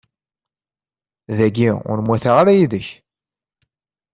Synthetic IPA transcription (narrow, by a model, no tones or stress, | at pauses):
ðæɡiʊ̰ɾmwæθaʁaɾæjiðəç